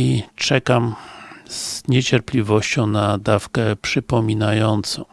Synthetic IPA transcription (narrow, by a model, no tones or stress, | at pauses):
it͡ʂɛkam | z̥ɲɛt͡ɕɛɾplʲivɔɕt͡ɕɔ̃w̃nad̪afkɛpʂɘpɔmʲinajɔnt̪sɔ̃w̃